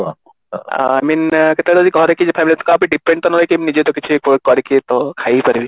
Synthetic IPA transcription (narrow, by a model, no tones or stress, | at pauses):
aminket̪eɾɔd̪ikɔɦɾekid͡ʒepʰamilit̪kãapniɖipʰɾeɳʈt̪ɔnɔlɔjkibnid͡ʒet̪ɔkit͡ʃʰukkɔɾekit̪ɔkʰajpɐɾibi